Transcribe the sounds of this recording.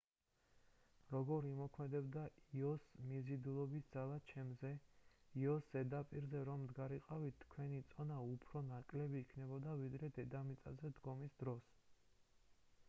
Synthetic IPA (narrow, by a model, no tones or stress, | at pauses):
ɾɔɡɔɾimɔkʰmɛd̪ɛbd̪aiɔsmizid̪ulˠɔbisd̪zalˠat͡ʃʰɛmzɛiɔsːɛd̪apʼiɾzɛɾɔmd̪ɡaɾiqʼavit̪t̪ʰːkʰwɛnit̪sʼɔnaupʰɾɔnakʼlɛbiːkʰnɛbɔd̪avid̪ɾɛd̪ɛd̪amit̪sʼazɛd̪ɡɔmisd̪ɾɔs